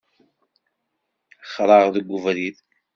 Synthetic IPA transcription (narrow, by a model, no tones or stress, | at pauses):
χɾˤɑʁðəɡʷːʊvɾiθ